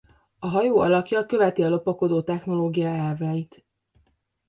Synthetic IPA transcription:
ɒɦɒjoːɒlɒkjɒkø̞vɛt̪iɒlo̞pɒko̞d̪oːt̪ɛxno̞loːɡijaɛlvaːjit̪

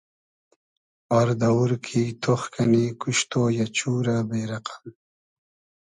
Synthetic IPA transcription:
aɾd̪ɐwuɾkʰit̪ʰoxkɐnikuʃt̪oːjat͡ɕuːɾabeːɾɐqḁm

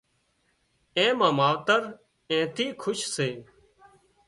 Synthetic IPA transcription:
ẽːmãːmaːʋt̪əɾ | ẽːt̪iːkʰʊʃseː

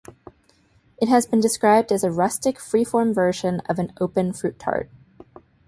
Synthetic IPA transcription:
ɨt̚ɦɨzbɨ̃ndɨskɹaɪb̚dɨzɨɹʌstɨkfɹifɔɹɱvɜ˞ʒɨ̃nʌ̰vɨ̃noʊpɨ̃nfɹʉt̚kʰɑ̰ɹt̚

